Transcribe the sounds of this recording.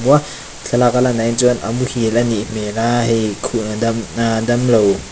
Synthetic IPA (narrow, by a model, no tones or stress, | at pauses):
mua | ɬʰalakalanajnt͡sɔnʔɐ̰muhilɐnim̥elahikʰuʔnadnadɐmlow